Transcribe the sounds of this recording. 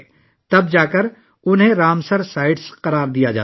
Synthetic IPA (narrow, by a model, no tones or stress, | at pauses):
t̪ɐb̚d͡ʒaːkəɾ | ʊnɦẽɾaːmsəɾsaːɪɖsqɐɾaːɾd̪ijad͡ʒa̰ː